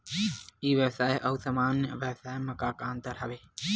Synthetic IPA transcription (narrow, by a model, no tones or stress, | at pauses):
iːʋjəʋsaːeʔɐʋsɐmaːnjə̰ʋjəʋsaːemɐkaːkaːnt̪əɾɦɐ̰ʋeː